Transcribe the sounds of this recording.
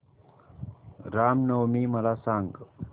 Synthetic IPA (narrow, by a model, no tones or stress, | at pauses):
ɾamnowmimʌlasaŋɡ